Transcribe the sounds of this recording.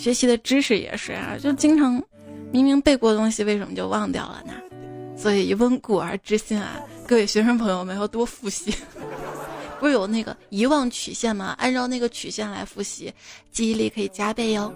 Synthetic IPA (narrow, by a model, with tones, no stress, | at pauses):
ɕɥɛ˧˥t͡ɕʰi˧˥d̪ə˧ʈ͡ʂɻ̩˥ʂɻ̩˥˩jɛ̰˨˩ʂɻ̩̰˥˩t͡ɕjo˥˧ʊ˧t͡ɕi˥ŋʈ͡ʂʰɑ˧˥ŋ | mi˧˥ŋmi˧˥ŋpe˥˧ɪkwɔ˥˧t̪ʊ˥ŋɕi˨˧we˥˩ɪə˧˥nmə˧t͡ɕjo˥˧ʊwɑ˥˧ŋt̪jɑ̰˥˩ʊlə̰˩nɐ̰˨˩swɔ˧˥i˨˩˧wə˥nku˨˩ə˞˧˥ʈ͡ʂɻ̩˥ɕi˥˩nɐ̰˨˩kɤ˥we˥˩ɪɕɥɛ˧˥ʂə˥ŋpʰɤ˧˥ŋjo˧ʊme˧˥ɪjo˨˩ʊt̪wɔ˥fu˥˩ɕi˥ | pu˧˥ʂɻ̩˥˩jo˨˩ʊna˥˩ɡə̰˩i˧˥wɑ˥˩ŋt͡ɕʰy̰˨˩ɕjɛ˥˩nmɐ˩a̰˥nʈ͡ʂɑ˥˧ʊna˥˩ɡə˩t͡ɕʰy˨˩ɕjɛ˥˩nla˧˥ɪfu˥˩ɕi˧˥t͡ɕi˥˧i˥li˥˩kʰɤ˧˥i˨˩t͡ɕja˥pe˥˩ɪjo˥˩ʊ